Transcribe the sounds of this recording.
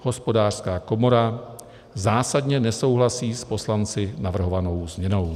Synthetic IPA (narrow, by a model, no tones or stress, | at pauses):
ho̞spo̞daːr̥skaːko̞mo̞ɾa | zaːsadɲɛnɛso̞wɦlasiːspo̞slant͡sɪnavr̩ɦo̞vano̞wzmɲɛno̞w